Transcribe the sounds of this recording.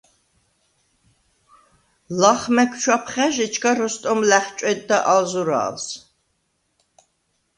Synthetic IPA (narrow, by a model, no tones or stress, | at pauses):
laχmɛkʰʷʃʰʷapʰχæʒɪt͡ʃʰkʰɐɾɔst̪ʼɔmlæχʲt͡ʃʼɛd̪ːɐʔalzuɾa̰ːls